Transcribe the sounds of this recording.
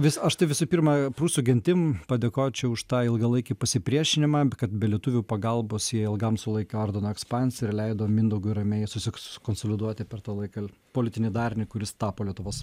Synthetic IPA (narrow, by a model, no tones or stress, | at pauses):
ʋʲɪsɐʃt̪ɐɪʋʲɪsupʲiːɾmɐpɾuːsʲuɡʲɛnʲt̪ʲɪmpɐd̪ʲeːkoːjt͡ʃʲɛʊʃt̪ɑːɪlˠɡɐlˠɐɪkʲipɐsʲɪpʲɾʲiɛʃʲɪnʲɪmɑːkɐt̪bʲɛlʲiɛt̪uʋʲupɐɡɐlˠbosjiɛɪlˠɡɐmsʊlˠɐɪkʲɛoɾʲd̪ʲɛnoːɛkspɑnʲsʲɪɾlʲɛɪd̪oːmʲɪnd̪oɡʊɪɾɐmʲɛɪsʊsʲɪskoːnsoːlʲɪd̪uɔt̪ʲɪpʲɛrt̪ɑːlˠɐɪkɐpoːlʲɪt̪ʲɪnʲɛɪd̪ɑːɾʲnʲɪkʊɾʲɪst̪ɑːpoːlʲiɛt̪ʊʋoːs